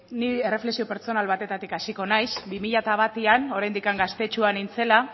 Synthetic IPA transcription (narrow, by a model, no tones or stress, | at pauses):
nie̞re̞flesio̞pe̞ɾt͡so̞nalβat̪e̞t̪at̪ikasiko̞najsbimiʎat̪aβ̞at̪iano̞ɾajnd̪ikaŋɡast̪e̞t͡ʃuanint͡se̞la